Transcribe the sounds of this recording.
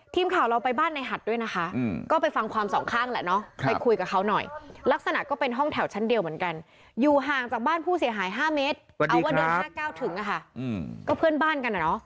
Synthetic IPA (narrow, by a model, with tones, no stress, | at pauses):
t̪ʰiː˧mkʰaː˨˩wɾa˧wpa˧jbaː˥˩nːa˧jɦa˨˩t̪̚du˥˩˨jna˦˥kʰa˦˥kɔː˥˩pa˧jfa˧ŋkʰwaː˧msɔː˩˦ŋkʰaː˥˩ŋlɛ̰˧˩nɔ˦˥pa˧kʰu˧jka˨˩kʰa˦˥wnɔ˨˩jla˦˥k̚sa˧na˨˩kɔː˥˩pe˧nɦɔ˥˩ŋt̪ʰɛ˨˩˦wt͡ɕʰa˦˥ndi˧əwmɯː˩˦nka˧n | juː˨˩ɦaː˨˩ŋt͡ɕaː˨˩k̚baː˥˩npʰuː˥˩si˩˦ɦaː˨˩˦jɦaː˥˩meː˦˥t̪̚adiː˧wa˧˥ɯ˧˦aː˥˩kaː˥˩wt̪ʰɯ˨˩˦ŋʔa˧˩kʰa˥˩˧kɔː˥˩pʰɯ˥˩ənbaː˥˩nka˧nʔa˨˩nɔ˦˥